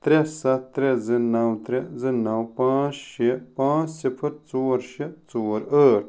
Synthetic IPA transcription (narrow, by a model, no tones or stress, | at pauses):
t̪ɾesɐɾezinɐwt̪ɾezinːɐwpãːt͡sʃipãːt͡ssifʰɐɾt͡soːɾʃit͡soːɾəːʈ̚ʰ